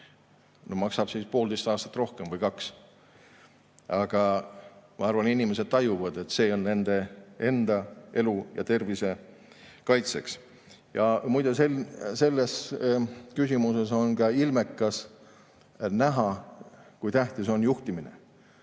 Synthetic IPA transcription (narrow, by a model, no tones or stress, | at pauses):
nomɑksɑb̥siːspo̞ːld̪̥e̞jst̪ɑːst̪ɑ̥t̪ːˑro̞hkemvɤjkɑks | ɑɡ̥ɑ | mɑɑrvɑninʲimese̞d̪̥̚t̪ɑjuvɑd̪̥e̞t̪ːse̞ːo̞nne̞nd̪̥e̞e̞nd̪̥ɑe̞lujɑ̰t̪e̞rvise̞ | kɑjt̪se̞ks | jɑmujd̪̥eselse̞lːes | kysʲimuse̞so̞nkɑilme̞kːˑɑs | næɦɑkujt̪æht̪iso̞njuht̪iminḛ